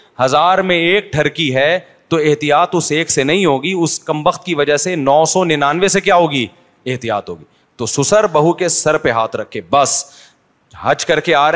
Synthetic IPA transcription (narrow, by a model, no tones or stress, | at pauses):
hɐzaːɾmẽeːk̚ʈʰɐɾkiɦɛ | t̪oɪɦt̪ijaːt̪ʊseːksenɐɦĩɦoːɡiʊskɐ̃mbəxt̪kiʋɐd͡ʒəɦsenɔːsɔnɪnaːnʋesekjaːɦoːɡi | eɦt̪ijaːt̪ɦo̰ːɡiː | t̪osʊsəɾbɐɦukesɐɾpeɦaːt̪ʰɾɐkʰːeːbɐs | hɐd͡ʒkɐɾkeaːɾ